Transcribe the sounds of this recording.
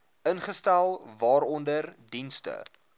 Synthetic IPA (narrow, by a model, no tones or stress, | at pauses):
ʔənχəstælˠvɑːɾɔndərdinstə̰